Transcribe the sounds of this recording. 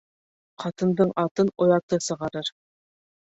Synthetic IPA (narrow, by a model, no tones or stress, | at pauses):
qɑt̪ɤ̆nd̪ɤɴʔɑt̪ɤnŏjɑt̪ɤsɤ̆ʁɑɾɤɾ